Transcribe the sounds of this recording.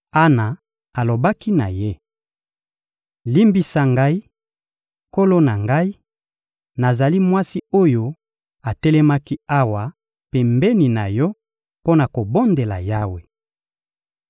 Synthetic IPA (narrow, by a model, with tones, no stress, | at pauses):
a˦na˨ | a˨lo˨ba˦ki˦na̰˨je˦ | li˦mbi˨sa˨ŋɡa˦i˦ | ko˦lo˦na˨ŋɡa˦i˦ | na˨za˨li˦mwa˦si˦o˦jo˦ | a˨tɛ˦lɛ˦ma˦ki˦a˦wa˨ | pɛ˨mbɛ˦ni˨na˨jɔ˦ | po˦na˨ko˨bo˦nde˨la̰˨ja˦we˨